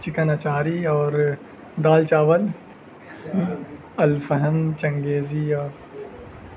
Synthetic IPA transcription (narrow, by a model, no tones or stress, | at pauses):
t͡ʃɪkənɐt͡ʃaːɾiɔːɾ | d̪aːlt͡ʃaːʋəl | ɐlfəɦə̃nt͡ʃɐ̃ŋɡeːziɔːɾ